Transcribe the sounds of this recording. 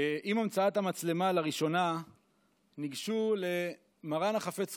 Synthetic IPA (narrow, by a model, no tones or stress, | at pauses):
ʔimamt͡saat̪amat͡slemalaʁiʃo̞na | niɡʃule̞ | maʁanaχafe̞t͡s